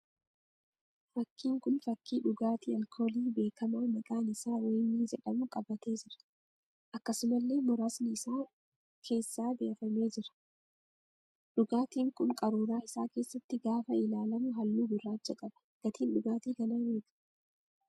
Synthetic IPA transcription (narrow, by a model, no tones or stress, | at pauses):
fɐkːiːŋkʊnfɐkːiːᶑʊɡaːt̪iːɐlkʰo̞ːliːbe̞ːkɐmaːmɐkaːnɪsaːweːmiːd͡ʒɛᶑɐmʊkʼɐbɐt̪e̞ːd͡ʒɪɾɐ̥ | ʔɐkːɐsʊmɐlːe̞ːmʊɾaːsnɪːsaː | kʰe̞ːsːaːbeːfɐme̞ːd͡ʒɪɾɐ̥ | ᶑʊɡaːt̪iːŋkʊŋkʼɐɾuːɾaːɪsaːke̞ːsːɐt̪ːɪɡaːfɐɪlaːlɐmʊɦɐlːuːɡʊrːaːt͡ʃːɐkʼɐb̥ɐ̥ | ɡ̥ɐt̪ʰiːnɗʊɡaːt̪iːɡɐlɐmeːk̪ɐ̥